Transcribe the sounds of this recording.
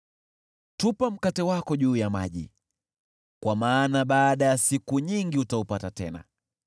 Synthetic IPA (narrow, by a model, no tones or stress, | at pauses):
tupam̩katɛwakɔʄuːjama̰ʄḭ | kwamaːnaɓaːɗajasikuɲiŋɡiutaupatatɛ̰na̰